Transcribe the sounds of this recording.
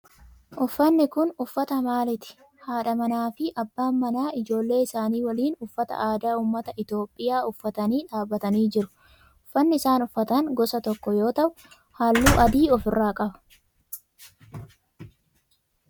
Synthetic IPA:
ʔʊfːɐnːɪkʊnʊfːɐt̪ɐmaːlɪt̪ɪ̥ | haːᶑɐmɐnaːfɪʔɐbːaːmːɐnaːɪd͡ʒo̞ːlːe̞ːɪsaːniːwɐliːnʊfːɐt̪ɐ̰ʔaːd̪aːuːmːɐt̪ɐʔɪt̪jo̞ːpʼːɪjaːʊfːɐt̪ɐniːᶑaːbːɐt̪ɐniːd͡ʒɪɾʊ̥ | ʊfːɐnːɪɪsaːnʊfːɐt̪ɐŋɡɔsɐt̪ɔkːɔjo̞ːt̪ɐʔʊ | haːlːuːʔɐd̪iːɔfɪrːaːkʼɐbɐ̥

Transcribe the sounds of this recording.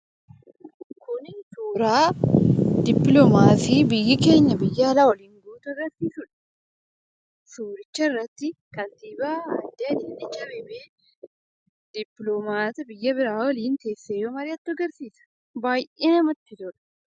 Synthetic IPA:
kʰʊnsuːɾaː | d̪ɪpːlɔmaːsiːbɪjːɐke̞ːɲːɐbɪjːɐːlaːwɔliːŋɡuːt̪ʊɪɾɐsiːsʊᶑɐ̥ | suːɾɪt͡ʃːɐɪrːɐt̪ːɪkɐnt̪iːbaːɐnd̪ɐɐd̪ɪnːɪt͡ʃːɐbeːbeː | d̪̥ɪpːlomaːt̪ɐbɪjːɐbɪɾaːwɔliːnt̪e̞ːsːeːjoːmɐɾɪɐt̪ːʊɐɡɐɾsiːsɐ̥ | baːjʔeːnɐmɐt̪ːɪt̪ɔᶑɐ̥

